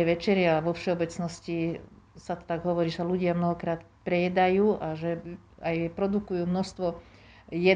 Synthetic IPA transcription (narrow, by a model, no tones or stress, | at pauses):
ɛʋɛt͡ʃɛɾɪaaʋɔfʃɛɔbɛt͡snɔsci | sat̪t̪aɡɦɔʋɔɾiːʃaluɟɪamnɔɦɔkɾaːt̪ | pɾɛjɛd̪ajuːʔaʒɛ | ajpɾɔd̪ukujuːmnɔst̪ʋɔ | jɛ